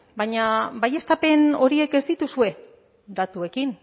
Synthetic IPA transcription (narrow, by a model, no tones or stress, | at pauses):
baɲabaje̞st̪ape̞no̞ɾie̞ke̞zd̪it̪usue̞ | d̪at̪ue̞kin